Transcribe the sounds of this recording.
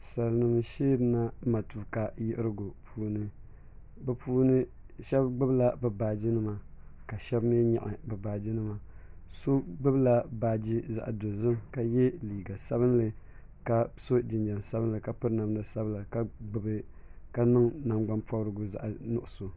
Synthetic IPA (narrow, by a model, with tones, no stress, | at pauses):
sa˨lnɨ˨m˨ʃeː˦bɨ˦na˦ma˨tu˨ka˨jɪ˦ʔɨ˦ɾɨ˦ɡʊ˨pʰuː˦nɨ˦ | bɨ˦puː˦nɨ˦ | ʃɛ˦bɡ͡bɨ˦bla˦bɨ˨baː˨d͡ʒi˦nɨ˦ma˨ka˨ʃɛ˦bme˦ɲa̰˨ʔa˨bɨ˨baː˨d͡ʒi˦nɨ˦ma˨so˦ɡ͡bɨ˦bla˦baː˨d͡ʒi˦za̰˨ʔa˨do˨zɨ˦mka˨jɛ˦liː˨ɡa˨sa˦βɨ˦nlɨ˨ | ka˦so˦d͡ʒɪ˨nd͡ʒa˨nsa˦bɨ˦nlɨ˨ka˨pɨ˦ɾna˨m˦dɨ˨sa˦bla˨ka˦ɡ͡bɨ˨bɨ˦ | ka˦nɨ˦ŋna˨mɡ͡ba˦npɔ˦bɾɨ˦ɡʊ˨za̰˦ʔnʊ˦˨ʔʊ˨so˨